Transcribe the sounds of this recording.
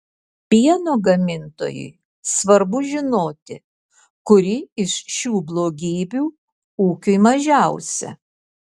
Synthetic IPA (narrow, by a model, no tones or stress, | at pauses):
pʲiɛnoːɡɐmʲɪnt̪o̰ːjʊ̰ɪ | sʋɐɾbʊʒʲɪnoːt̪ʲɪ | kʊɾʲɪɪʃʃʲuːblˠoːɡʲiːbʲuː | uːkʲʊɪmɐʒʲæˑʊsʲɛ̰